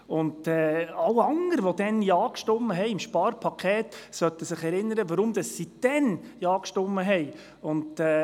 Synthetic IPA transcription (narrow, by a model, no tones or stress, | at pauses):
ʊnɛːɑwɑŋəɾʋɔd̪̥ɛnjɑːkʃtʊmːəɦɛɪɪmʃpɑːɾpʰɑkʰχeːtsœtːəsɪχɛɾɪnːəɾəʋəɾʊmd̪ɑsːid̥ɛn | jɑːkʃtʊmːəɦɛj | ʊndɛː